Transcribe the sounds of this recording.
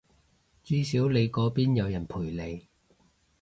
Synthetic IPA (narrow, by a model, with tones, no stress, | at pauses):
t͡syː˥siː˨˥wle˨˧jkɔː˨˥piː˥njɐ˨˧wjɐ˨˩npʰuː˨˩jle˨˧j